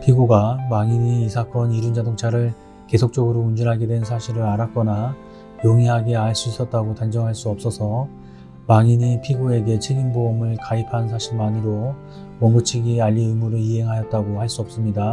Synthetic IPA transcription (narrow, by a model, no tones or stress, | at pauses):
pʰiɡuɡamaŋiɲiːsʰak͈ʌniɾund͡ʑadoŋt͡ɕʰaɾɯɭ | ke̞sʰok̚t͡ɕ͈ʌɡɯɾound͡ʑinɦaɡe̞dwe̞nsʰaɕʰiɾɯɾaɾak͈ʌna | joŋiɦaɡe̞aɭs͈uis͈ʌt̚t͈aɡotand͡ʑʌŋɦaɭs͈uʌp̚s͈ʌsʰʌ | maŋiɲipʰiɡue̞ɡe̞t͡ɕʰeɡinboʌmɯɭkaipʰans̬ʰaɕʰiɭmaniɾo | mʌmɡut͡ɕʰiɡiaʎːiɯmuɾɯɭiɦe̞ŋɦajʌt̚t͈aɡohaɭs͈uʌp̚s͈ɯmɲida